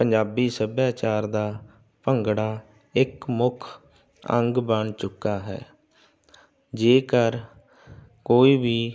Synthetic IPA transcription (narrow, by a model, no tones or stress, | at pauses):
pəɲd͡ʒaːbiːsəbjaːt͡ʃaːɾd̪aː | pəŋɡɽaː | ɪkmʊkʰ | ə̰̃ŋɡbəɳt͡ʃʊkːaːɦɛ̰ː | d͡ʒeːkəɾ | koːiːbiː